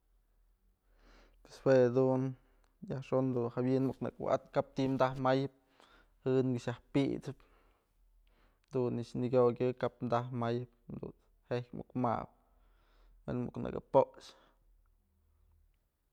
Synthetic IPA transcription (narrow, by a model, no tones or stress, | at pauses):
peshwead̪un | jahʂond̪unhawinmuknɨ̰kw̰a̰t̪kap̚t̪imd̪ahmajɨp̚ | hɨnɡiʃjahpḭt͡sɨp | d̪uniʔʃniɡʲoɡʲɨkapmd̪ahmajɨp̚d̪ṵn | hehkʲmṵkma̰ʔp̚ | wenmṵknɨ̰kɨ̰poʔt͡ʃ